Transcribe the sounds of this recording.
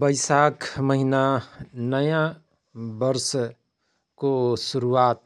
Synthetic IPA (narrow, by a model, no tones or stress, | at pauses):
bəɪsaːkməɦinanəjã | bəɾs | kosʊɾuaːt̪